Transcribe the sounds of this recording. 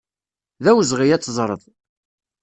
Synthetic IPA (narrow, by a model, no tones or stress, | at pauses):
ðæwzʁijæt͡sːzˤɾˤəðˤ